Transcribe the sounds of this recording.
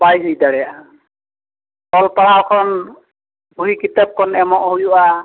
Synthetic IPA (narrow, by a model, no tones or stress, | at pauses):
bajɦujdaɹɛja | ɔlpaɽawkʰɔn | buɦikitap̚kʰɔnɛmɔʔɦujuʔa